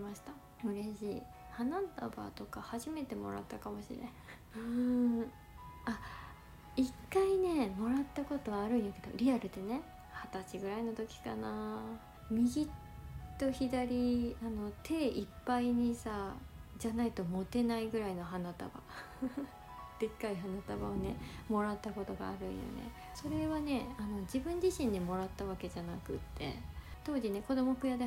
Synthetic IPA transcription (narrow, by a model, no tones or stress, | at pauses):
imaɕi̥t̪a | ɯ̟ɾe̞ɕḭː | hanat̪aba̰t̪o̞kahaʑime̞t̪e̞mo̞̰ɾa̰t̪ːakamo̞ɕḭɾẽ | ɯ̟ | a | ikːaine̞mo̞ɾat̪ːako̞t̪o̞βːɾɯ̟̃j̃jake̞d̪o̞̰ɾʲiaɾɯ̟d̪e̞ne̞ | hat̪at͡ɕiɡɯ̟ɾaino̞t̪o̞kʲi̥kanaː | mʲiɡʲit̪ː | o̞çid̪aɾʲiano̞t̪ʰe̞ːʔipːaiɲ̟isad͡ʑanait̪o̞mo̞t̪e̞naiɡɯ̟ɾaino̞ɦanat̪a̰ba̰ | d̪̥e̞kːaiɦanat̪aba̰one̞mo̞ɾat̪ːako̞t̪o̞ɡa̰ːɾɯ̟̰ḭjo̰nḛ | so̞ɾe̞βane̞ano̞d͡ʑibɯ̟̃ɲ̟d͡ʑiɕĩɲd̪emo̞ɾat̪ːaβake̞d͡ʑanakɯ̟̰t̪ʰːe̞̰t̪o̞ːd͡ʑine̞ko̞d̪o̞mo̞kɯjad̪e